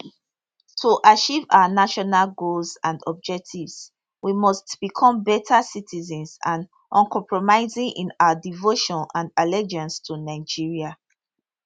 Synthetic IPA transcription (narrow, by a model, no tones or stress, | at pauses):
tʰuʔat͡ʃiva̰ʊanaʃɔnalɡolzãndɔb̚d͡ʒɛk̚tʰivs | wimɔstb̥ikʰɔ̃mbɛtʰasitʰizɛ̃nsãn | ʔɔ̃nkʰɔ̃mpʰɹɔmaɪzĩŋʔĩnaədivoʃɔ̃nãndalɛd͡ʒãnstʰunaɪd͡ʒiɹia